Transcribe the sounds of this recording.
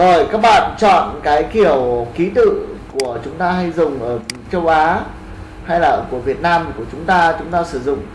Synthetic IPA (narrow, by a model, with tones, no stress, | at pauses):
zo˨˩jkaː˦˥k̚ɓa̰ː˧˨nt͡ɕɔ̰˧˨nkaː˨˦jki˧˩əwki˨˦t̪ɨ̰˧˨ku˧˩ət͡ɕʊ˨˦ŋ͡mt̪aː˧ɦa˧jzʊ˨˩ŋ͡mʔəː˧˩t͡ɕə˧wʔaː˨˦ | ha˧jlaː˨˩˧ku˧˩əvi˨˩ət̚naː˧m˨˩ku˧˩ət͡ɕʊ˨˦ŋ͡mt̪aː˧t͡ɕʊ˨˦ŋ͡mt̪aː˧sɨ˧˩zʊ̰˧˨ŋ͡m